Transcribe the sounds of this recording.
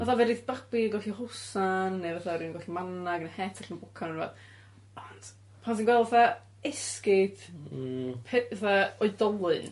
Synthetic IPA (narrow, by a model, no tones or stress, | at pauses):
aθavɛdiθb̥abiɡɔɬihʊsanːevaθaɾinɡɔɬimanaɡənhɛtʰaɬənbʊkʰanənva̰ð | ɔnd̥ | pʰansinɡwɛlˠvaθa | ɛskɪd | pʰɛvaθaɔɨdɔlˠɨn